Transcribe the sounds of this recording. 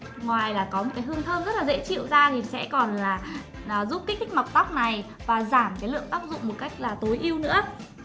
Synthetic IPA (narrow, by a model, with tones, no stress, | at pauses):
ŋwaː˨˩jlaː˨˩kɔ˨˦mo˨˩kaː˨˦ɦɨ˧əŋt̪ʰəː˧nzə˦˥t̚laː˨˩zḛ˧˥t͡ɕḭ˧˨wzaː˧t̪ʰi˨˩sɛ̰˧˥kɔ˨˩nlaː˨˩ | ʔːzu˦˥p̚ki˦˥k̚kʰːi˦˥k̟̚ma˨˩k͡p̚t̪a˦˥wk͡p̚na˨˩j | vaː˨˩zaː˧˩mkaː˨˦jlɨ̰˧˨əŋt̪aː˦˥p̚zʊ̰˧˨ŋ͡mmo˨˩ka˦˥jk̟̚laː˨˩t̪o˨˦jʔi˧əwnɨ̰˧˥ə